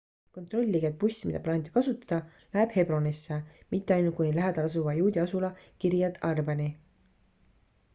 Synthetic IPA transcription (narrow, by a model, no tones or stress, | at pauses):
ko̞nt̪ˑro̞lʲːiɡed̪̥̚pusʲːimid̪ɑplɑːnid̪̥kɑsut̪ːˑɑ̥d̪̥ɑ | læeb̥he̞bro̞nisːemit̪ːe̞ɑjnult̪̚kujnʲilæɦed̪̥ɑlɑs̬uvɑjuːd̪ʲiɑsulɑkiɾjɑd̪ɑrbɑni